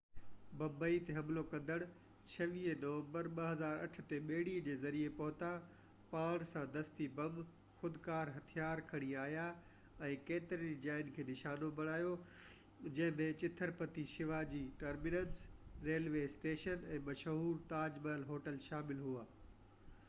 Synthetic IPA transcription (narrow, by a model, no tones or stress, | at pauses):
bɐ̃mbəit̪eɦɐmlokɐ̃nd̪əɽ̃ | t͡ɕʰɐʋiːnɐːʋə̃mbəɾɓɐɦɐzaːɾɐ̰ʈʰʊ̆t̪eɓeːɪɽid͡ʑeːzɐɾiepɐɦʊt̪a | paːɽ̃sãd̪ɐst̪ibɐm | xʊd̪kaːɾɦɐt̪ʰijaːɾkʰɐɽ̃iaːɦija | ɛ̃ːkeːt̪ɪɾənd͡ʑaːɪnkʰeːnɪʃaːnobʱɐɽ̃aːjo | d͡ʑɐ̃ɦɪ̃mẽt͡ɕɪt̪ʰəɾpɐt̪iʃɪʋad͡ʑiːʈɐɾmɪnə̃nsɾeːlʋeːsʈeːʃənɛ̃ːmɐʃɦuːɾt̪aːd͡ʑməlɦoːʈəlʃaːmɪlɦuaː